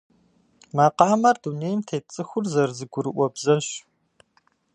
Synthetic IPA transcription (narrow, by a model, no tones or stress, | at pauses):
maːqɑːmɐrduneːjmtʰeːt͡sʼɨxʷʊrzɐrzɨɡʷʊɾɨʔʷɔbzɐɕ